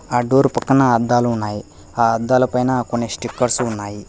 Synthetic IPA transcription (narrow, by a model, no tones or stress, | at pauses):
aːɖoːɾupɐkːɐnɐːd̪ːaːluːnːaːji | aːɐd̪ːaːlɐpɐjnɐkonːesʈikːɐɾsuunːaːji